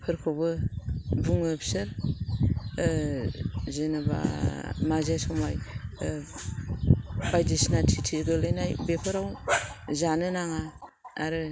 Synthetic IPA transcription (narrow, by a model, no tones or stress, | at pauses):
pʰɯɾkʰobɯbuŋɯpʰsɯɾ | zenaba̰mazajsɔmaj | bajdisnatʰitʰiɡɯlejnajbepʰɯɾawzanɯnaŋaaɾɯ